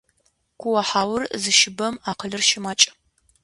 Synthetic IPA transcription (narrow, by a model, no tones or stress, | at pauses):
kʷʰʊwɐħaːwʊrzɨʃɪbɐmaːqəɮɨrʃɪmaːt͡ʃʼɐ̥